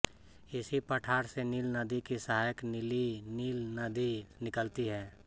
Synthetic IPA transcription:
ɪsipəʈʰaːɾseniːlnɐd̪ikisaɦaːjəknɪliniːlnɐd̪inɪkəlt̪iɦɛː

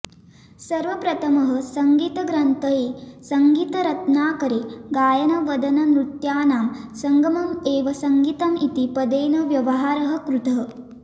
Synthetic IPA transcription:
sɐɾʋɐpɾɐt̪ʰɐmɐɦɐ̆sɐŋɡiːt̪ɐɡɾɐnt̪ɐjeːsɐŋɡiːt̪ɐɾɐt̪naːkɐɾeːɡaːjɐnɐʋɐd̪ɐnɐnɾut̪jaːnaːmsɐŋɡɐmɐmeːʋɐsɐŋɡiːt̪ɐmit̪ipɐd̪eːnɐʋjɐʋɐɦaːɾɐɦɐ̆kɾut̪ɐɦɐ̆

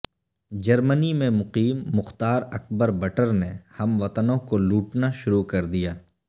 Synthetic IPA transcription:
d͡ʒɐɾmənimẽmʊqiːmːʊxt̪aːɾɐk̚bəɾbɐʈəɾnehɐmʋɐt̪ənõkoluːʈnaʃʊɾukɐɾd̪ijaː

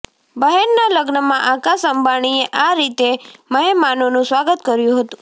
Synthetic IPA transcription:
bəɦenːaləɡnəmãʔakasəmbʱaɳ̃ieʔaɾit̪eməɦemanonũsʋaɡət̪kəɾjũɦət̪ũ

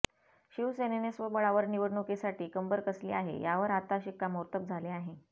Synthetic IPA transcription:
ɕiʋsenenesʋəbəɭaʋəɾniʋəɽɳukesaʈiːkəmbəɾkəslḭːaɦḛjaʋəɾat̪aɕikːaməɾt̪əp̚d͡zʱaleaɦe

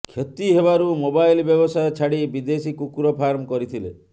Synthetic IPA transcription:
kʰjet̪iɦebaɾumobajlbjɔbɔsajɔt͡ʃʰaɽibid̪esikukuɾɔpʰaɾmɔkɔɾit̪ʰilḛ

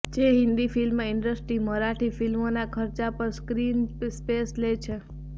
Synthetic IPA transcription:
d͡ʒeɦɪ̃nd̪ifilmaɪɳɖəsʈɾiməɾaʈʰifilmonakʰəɾt͡ʃapəɾskɾinspeslet͡ʃʰe

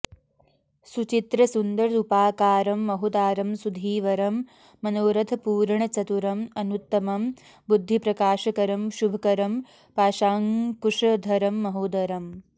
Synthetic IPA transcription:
sut͡ʃit̪ɾɐsund̪ɐɾupaːkaːɾɐmːɐɦud̪aːɾɐmsud̪ʱiːʋɐɾɐmː | ɐnoːɾɐt̪ʰɐpuːɾɐɳɐt͡ʃɐt̪uɾɐmɐnut̪ːɐmɐm | bud̪ʱːipɾɐkaːʃɐkɐɾɐmʃubʱɐkɐɾɐm | paːʃaːŋkuʂɐd̪ʱɐɾɐmːɐɦuːd̪ɐɾɐm

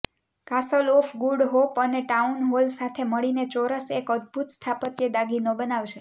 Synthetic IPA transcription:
kasəlofɡuɽɦopəneʈaunɦolsat̪ʰeməɭinet͡ʃɔɾəsekəd̪̚bʱut̪st̪ʰapət̪jed̪aɡinobənaʋt͡ʃʰe

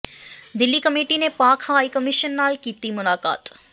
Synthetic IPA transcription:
d̪ɪlːikəmeːʈinepaːkʰaːikəmɪʃənːaːlkiːt̪imʊlaːka̰ːt̪

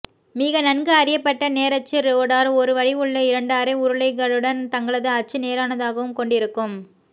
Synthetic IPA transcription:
miːɣɐnɐnɡɯɐɾɪjɐpːɐʈːɐneːɾɐt͡ʃːɯɾoːɽaːɾɔɾɯʋɐɻiɯɭːɐɪɾɐɳɖɯɐɾɐɪʊɾɯɭɐɪɣɐɭɯɽɐnt̪ɐŋɡɐɭɐðɯɐt͡ʃːɯneːɾaːnɐðaːɣɐʋɯmkɔɳɖɪɾɯkːɯm

